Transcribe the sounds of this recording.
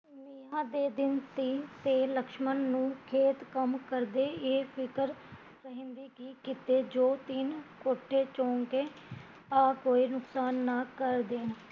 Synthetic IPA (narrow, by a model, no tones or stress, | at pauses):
nɪɦãːd̪eːd̪ɪnt̪iːt̪eːləkʃmənːũːkʰeːt̪kəmkəɾd̪eːepʰɪkəɾ | ɾəɦɪmʋiːkiːkɪt̪eːd͡ʒoːt̪inkoːʈʰːeːt͡ʃõːŋkeː | aːkoːiːnʊksaːnːaːkəɾd̪eːn